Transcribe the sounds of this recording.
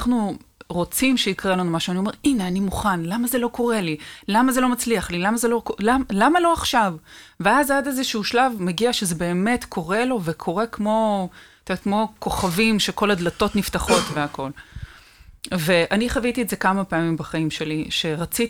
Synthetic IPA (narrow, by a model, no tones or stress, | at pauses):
aχnuʁo̞t͡simʃeikʁelanumaʃuanio̞me̞ʁine̞animuχanlamazeloko̞ʁe̞lilamaze̞lo̞mat͡sliaχlilamazelo̞kolamlamalo̞aχʃavveazadezeʃuuʃlavmeɡiaʃezebe̞ːme̞tkʰo̞ʁe̞lo̞vekʰo̞ʁe̞kmo̞t̪etkmo̞ko̞χavimʃeko̞ladlato̞tniftaχo̞tveako̞l | ve̞ʔaniχavitietdze̞kamapeamimbaχaimʃe̞liʃe̞ʁat͡sit